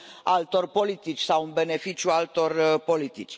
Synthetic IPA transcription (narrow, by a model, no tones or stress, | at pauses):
alt̪o̞rpo̞lit̪it͡ʃʲsawɨnbe̞ne̞fit͡ʃjualt̪o̞rpo̞lit̪it͡ʃʲ